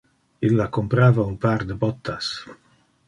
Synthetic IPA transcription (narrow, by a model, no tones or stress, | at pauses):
ilːakompɾaːvaumpaɾd̪əbɔt̪ʰːas